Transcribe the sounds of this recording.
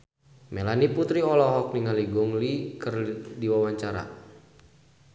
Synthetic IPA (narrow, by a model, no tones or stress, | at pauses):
mɛlaniput̪ɾiɔlɔɦɔk̚niŋaliɡɔŋlikərdiwawaɲt͡ʃaɾa̰